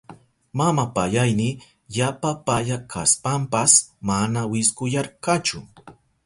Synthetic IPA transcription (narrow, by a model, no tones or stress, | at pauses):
mamapaʎajnɪ | ʎapapaʎakʰa̰spampasmanawɪskʊjaɾkat͡ʃʊ